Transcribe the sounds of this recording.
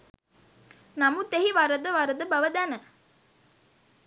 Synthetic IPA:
nɐmut̪eɦiʋɐɾəd̪əʋɐɾəd̪əbɐʋəd̪ænə

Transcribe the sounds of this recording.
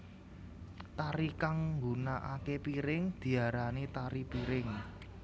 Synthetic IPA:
t̪aɾikaŋŋɡunaʔakepiɾɪŋd̪̥i̤aɾanit̪aɾipiɾɪŋ

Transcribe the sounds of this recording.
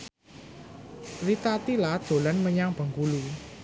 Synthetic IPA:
rit̪at̪ilad̪̥o̤lanməɲaŋb̥ə̤ŋkulu

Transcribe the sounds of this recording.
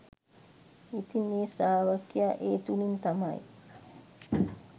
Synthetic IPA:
it̪ineːsaːʋakjaʔeːt̪ulint̪ama̰j

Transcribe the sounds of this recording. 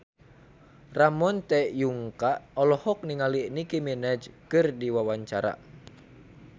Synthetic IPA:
ramɔnt̪ɛjuŋkaʔɔlɔhɔk̚niŋalinikimɛnɛd͡ʒkɨrdiwawaɲt͡ʃaɾa̰

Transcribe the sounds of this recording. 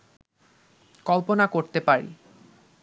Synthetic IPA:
kɔlponakoɾt̪epaɾḭ

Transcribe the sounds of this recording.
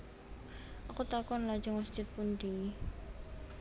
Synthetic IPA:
ʔakut̪akɔnlḁd͡ʒaŋwast͡ʃɪt̪̚pund̪i

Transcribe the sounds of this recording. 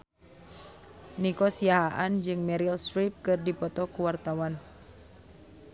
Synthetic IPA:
nikɔsiaɦaʔand͡ʒɨŋmɛɾilsɾip̚kɨrdipɔt̪ɔkuwart̪awan

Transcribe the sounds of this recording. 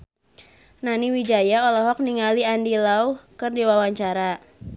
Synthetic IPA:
naniwid͡ʒajaɔlɔɦɔk̚niŋaliandilauhkɨrdiwawaɲt͡ʃaɾa

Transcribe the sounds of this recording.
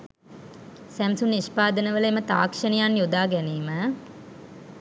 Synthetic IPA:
sæmsunːiʃpaːd̪ənəʋələemət̪a̰ːkʂənijanjod̪aːɡæniːmə

